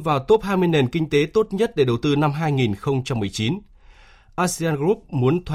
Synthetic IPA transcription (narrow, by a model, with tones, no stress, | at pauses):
vaː˨˩wt̪o˦˥p̚ɦaː˧jmɨ˧əjne˨˩nkï˧ŋ̟t̪e˨˦t̪o˦˥t̚ɲə˦˥t̚ɗe˧˩ɗə˨˩wt̪ɨ˧na˧mɦaː˧jŋi˨˩nxə˧wŋ͡mt͡ɕa˧mːɨ˨˩əjt͡ɕi˨˦n | ʔaː˧si˧aː˧nɣu˦˥p̚mu˨˦ənt̪ʰa˧